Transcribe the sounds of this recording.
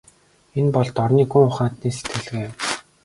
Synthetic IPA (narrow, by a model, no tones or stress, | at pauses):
enpɔɮt̪ɔrniːxuŋʊχaːnt̪niːse̥t̪ɡɘ̆ɮɣeː